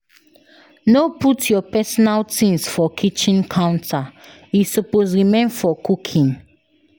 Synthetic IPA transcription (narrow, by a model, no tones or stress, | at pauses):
noputʰjɔpɛsɔnaltĩnsfɔkʰit͡ʃĩnkʰãʊ̃ntʰa | isupozɹimẽnfɔkukʰĩn